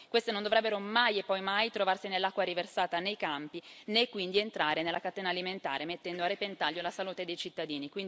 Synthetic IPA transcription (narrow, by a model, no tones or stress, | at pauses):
kwest̪enond̪ovɾɛbːeɾomajepːɔjmajt̪ɾovarsinelːakːwaɾiversaːt̪anejkampinekːwind̪ient̪ɾaːɾenelʔakat̪ɛːnaːliment̪a̰ːɾemet̪ːɛnd̪oarːipent̪aʎjolasaluːt̪ed̪ejt͡ʃit̪ːad̪iːnikwind̪